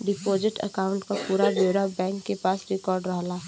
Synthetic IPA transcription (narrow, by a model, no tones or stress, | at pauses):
ɖɪpoːzɪʈə̰kaːʊ̃ɳʈkapuːɾaboːɾabɛ̃ːŋkːepaːsɾɪkɔːɾɖɾəɦlaː